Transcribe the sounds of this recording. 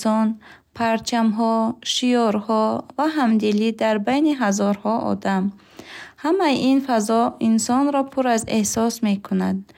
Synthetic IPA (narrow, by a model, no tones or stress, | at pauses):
sɔnpʰaɾt͡ʃʰamɦɔʃiɔɾhɔvaɦamd̪ilid̪aɾbajniɦazɔɾhɔʔɔ̰d̪am | hamajiʔinfazɔinsɔnɾɔpʰuɾazehsɔsme̞kʰunad̪